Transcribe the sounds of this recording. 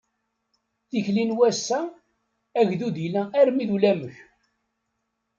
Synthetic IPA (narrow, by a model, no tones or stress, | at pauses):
θiçlinwæsːæ | æʝðuðijlææɾmiðulæməç